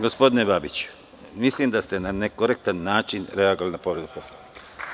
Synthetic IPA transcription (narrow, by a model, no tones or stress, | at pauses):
ɡo̞spo̞d̪inebabit͡ɕu̥ | mislimd̪ast̪e̞nanekoɾek̚t̪anːaːt͡ʃinɾeaɡoalinapo̞ʋɾed̪upo̞slanikḁ